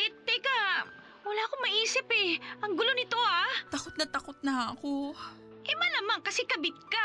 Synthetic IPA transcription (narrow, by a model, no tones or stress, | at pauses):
ɛt̪ːɛkɐ | wɐlaːkoŋmɐʔiːsɪpɛʔɐŋɡʊlo̞nɪt̪o̞hat̪ɐkot̪̚nɐt̪ɐkot̪̚nɐɐko | ʔɛmalamaŋkɐsɛkɐbɪt̪̚ka